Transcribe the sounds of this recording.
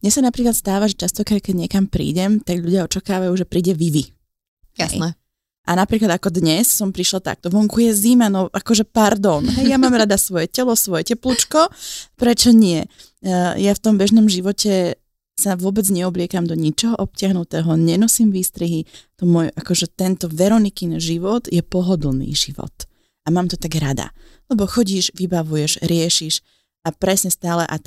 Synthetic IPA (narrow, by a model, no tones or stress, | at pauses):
ɲɛsanapɾiːklat̪st̪aːʋaʒɛt͡ʃast̪ɔkɾaːɟkɛɟɲɛkampɾḭːɟɛmt̪aɡʎuɟɪaɔt͡ʃakaːʋajuʒɛpɾiːɟɛʋiʋi | jɛ̰jɛ | ʔanapɾiːklˠad̪akɔd̪ɲɛssɔmpɾiʃlɔt̪a̰k̚t̪ɔʋɔŋkujɛzimanɔʔakɔʒɛpaɾd̪ɔnɦɛjjamaːmɾad̪asʋɔjɛcɛlɔsʋɔjɛcɛplut͡ʃkɔpɾɛt͡ʃɔɲɪɛ | jaft̪ɔmbɛʒnɔmʒiʋɔcɛ | saʋʊɔbɛd͡zɲɛɔblɪɛkamd̪ɔɲit͡ʃɔɦɔʔɔp̚cɪaɦnut̪ɛːɦɔɲɛnɔsimʋiːst̪ɾiɦit̪ɔmɔjʔakɔʒɛt̪ɛnt̪ɔʋɛɾɔnikinʒiʋɔd̪jɛpɔɦɔd̪l̩nḭːʒiʋɔ̰t̪ | amaːmt̪ɔt̪aɡɾad̪a̰ | lɛbɔxɔɟiːʒʋibaʋujɛʒɾɪɛʃiʃ | ʔapɾɛsɲɛst̪aːlɛʔa